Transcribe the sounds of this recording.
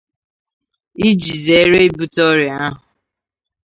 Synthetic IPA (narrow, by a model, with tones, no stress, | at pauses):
i˦d͡ʒi˨ze˨˦ɾe˦bu˦tɔ˦ɾi˨a˦ɦʊ˨